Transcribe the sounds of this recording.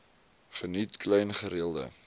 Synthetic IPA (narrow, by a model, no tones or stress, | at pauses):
χənitklɛjnχəɾiəlˠdə̰